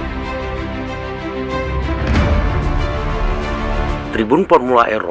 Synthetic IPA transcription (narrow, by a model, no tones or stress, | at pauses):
t̪ɾibunpɔrmulaʔerɔ̰